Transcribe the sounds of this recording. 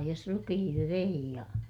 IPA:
jos rukihiŋkiʋ ʋei jɑ

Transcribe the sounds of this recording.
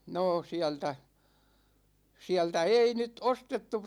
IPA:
noː siæltæ siæltæ ei nyt ostetːu

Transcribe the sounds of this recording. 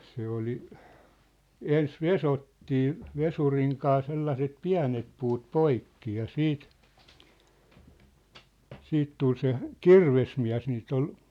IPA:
se oli ens ʋesotːiː ʋesuriŋ kɑː selːɑset piæ̝net puːt poikːi jɑ siːt siːt tul se kirʋesmiæ̝s niːt ol

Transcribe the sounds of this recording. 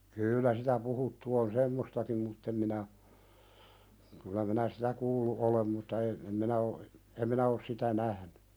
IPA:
kyːlːæ sitæ puhutːu on semːostɑkim mutː em minæ kylæ minæ sitæ kuːlːu ʔolem mutːɑ e em minæ o em minæ os sitæ næhny

